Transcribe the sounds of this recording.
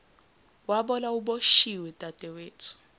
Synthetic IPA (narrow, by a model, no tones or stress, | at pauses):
waɓɔlauɓoʃiwɛtʼatʼɛweːtʰu̥